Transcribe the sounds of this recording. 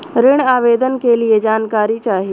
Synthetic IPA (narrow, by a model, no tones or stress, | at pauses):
ɾɪɳaːʋeːd̪ənkelied͡ʒaːnkaːɾit͡ʃaːɦi